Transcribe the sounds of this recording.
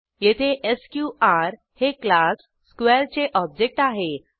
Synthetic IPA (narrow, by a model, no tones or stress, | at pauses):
jet̪ʰeʔeskjuaɾ | heklasːkʋeɾt͡seʔɔb̚d͡ʑek̚ʈaɦe